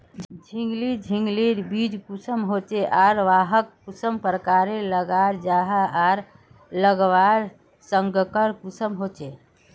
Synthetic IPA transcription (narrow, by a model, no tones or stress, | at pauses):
d͡ʒʱiŋɡlid͡ʒʱiŋɡliɾbid͡ʒkusəmɦot͡ʃeʔaɾʋaɦək̚kusəmpɾəkaɾeləɡaɾd͡ʒaɦəaɾ | ləɡʋaɾ | səŋɡkəɾkusəmɦot͡ʃe